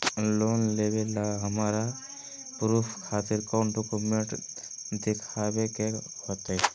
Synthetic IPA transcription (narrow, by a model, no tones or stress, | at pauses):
loːnlebelaɦəmaɾa | pɾuːpʰkʰaːt̪ɪɾkɔːnɖokumeɳʈd̪ekʰabekehot̪ɛ